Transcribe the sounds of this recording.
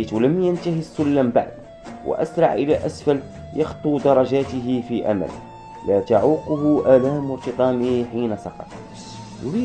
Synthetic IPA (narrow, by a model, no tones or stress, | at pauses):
t̪wləmjænt̪ahisʊlːamba̰ʕd̪ | wə̰ʔæ̰sɾˤɑ̰ʕʔəlæʔæsfæl | jɑxt̪ˤud̪ɑɾˤɑʒaːt̪əɦɪfiʔæ̰mæ̰l | læt̪aʕuːqʊhʊʔælaːmwɑɾt̪ɨt̪ˤɑːmiħiːnasɑqɑ̰t̪ˤ | jʊɾi